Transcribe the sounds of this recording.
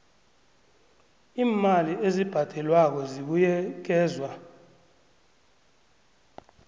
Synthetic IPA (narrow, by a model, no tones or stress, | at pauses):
iːmaliʔezib̥ʱad̥ʱɛlwak̬ɔziɓujɛk̬ɛːzwa